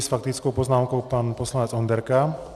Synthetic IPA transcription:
sfak̚t̪it͡skɔʊpɔznaːmkɔʊpaːnpɔslaɲɛt͡sɔnd̪ɛɾka

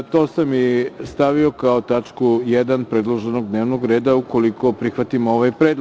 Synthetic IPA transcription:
t̪o̞ːsamːist̪aʋio̞kaot̪at͡ʃkujed̪anpɾe̞d̪lˠoʒe̞no̞ɡd̪ne̞ːʋnoɡɾeːd̪auko̞liko̞pɾixʋat̪imo̞ʋajpɾed̪l

